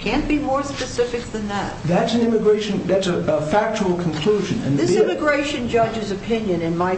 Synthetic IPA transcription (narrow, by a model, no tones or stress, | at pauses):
kʰæ̃nb̥imɔɹspɨsɪfɨk̚ðɨ̃nðæ̰t̚ðɨtsnɪ̃mɨɡɹeɪʃɨ̃nðɨtsəəfæk̚t͡ʃəl̩ˠkʰn̩kʰl̥uʒɨ̃nɨ̰̃nðɪsɪ̃mɨɡɹeɪʃɨ̃nd͡ʒʌd͡ʒɨzɨpʰɪ̃njɨ̃nɨ̃nmaɪ